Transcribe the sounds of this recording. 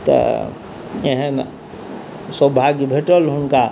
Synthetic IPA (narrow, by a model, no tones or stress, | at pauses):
t̪ə̰ | eɦə̃ | səbʱaɡbʱeʈəlɦʊnka